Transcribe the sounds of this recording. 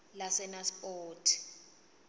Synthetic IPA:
lasɛnaspoːtʰi̥

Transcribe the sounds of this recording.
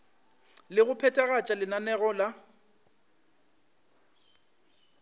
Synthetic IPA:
lɪɣʊpʰɛtʼɛɣat͡ʃʼalɪnanɛɣɔla

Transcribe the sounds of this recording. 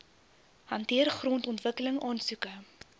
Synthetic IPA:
hɐntiərχroːntɔntvəkələŋɑːnsukə

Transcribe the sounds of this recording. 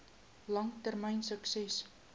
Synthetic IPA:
lɐŋtərməjnsəksɛs

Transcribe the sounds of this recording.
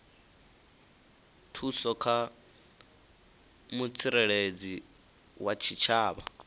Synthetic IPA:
tʰusɔkʰa | mut͡sʰiɾɛɺed͡zi | wat͡ʃʰit͡ʃʰaːβa̰

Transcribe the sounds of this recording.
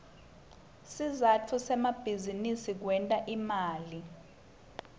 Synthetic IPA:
sizatʰusɛmab̥ʱizinisik̬wɛntʼaʔimaːli

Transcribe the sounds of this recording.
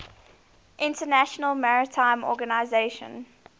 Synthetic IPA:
ʔɪ̃ntənæʃənəlˠmaɹɪtʰãɪ̃mɔ̰ːɡənaɪzeɪʃə̰̃n

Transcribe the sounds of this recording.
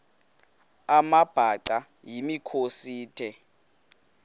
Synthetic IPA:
amab̥ʱaǀa | jimikʰosiːtʰɛ

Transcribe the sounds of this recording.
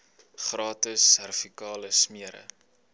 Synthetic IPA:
χrɑːtəsærfikɑːləsmiəɾə̰

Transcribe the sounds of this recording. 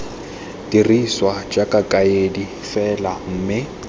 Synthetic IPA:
diriswad͡ʒakʼakʼaedi | fɛlaŋ̩ːmɪ

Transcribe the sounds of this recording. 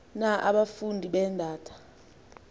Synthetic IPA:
naʔaɓafundʱiɓɛndʱaːtʰḁ

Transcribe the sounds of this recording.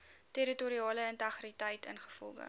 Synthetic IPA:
teɾituɾiɑːləəntɐχritɐjtə̰nχə̥fɔ̰lˠɡə̰

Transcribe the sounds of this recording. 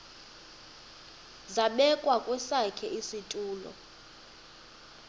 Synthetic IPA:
zaɓɛkʼwakʼwɛsakʰɛʔisitʼuːlɔ̰

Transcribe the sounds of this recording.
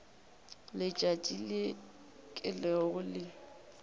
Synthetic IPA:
lɪt͡ʃʼatʼile | kʼɪlɛɣʊlɪ

